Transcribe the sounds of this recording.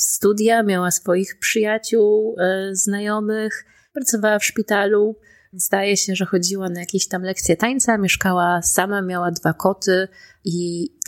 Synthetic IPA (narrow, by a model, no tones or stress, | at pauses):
st̪ud̪ʲjamʲjawasfɔjixpʂɨjat͡ɕuwznajɔmɘx | pɾat̪sɔvawafʂpʲit̪alu | zd̪ajɛɕɛʐɛxɔd͡ʑiwanajakʲeɕt̪amlɛkt̪sʲjɛt̪aɲt̪samʲjɛʂkawasamamʲjawad̪vakɔt̪ɘ | i